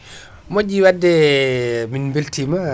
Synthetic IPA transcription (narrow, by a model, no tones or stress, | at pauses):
moɟiwadːɛ | minbiltima